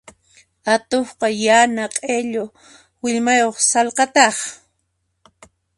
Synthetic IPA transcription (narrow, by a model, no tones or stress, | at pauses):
at̪ohqɑjanaqʼeʎo | wɪʎmajoχsɑlqɑt̪ɑχ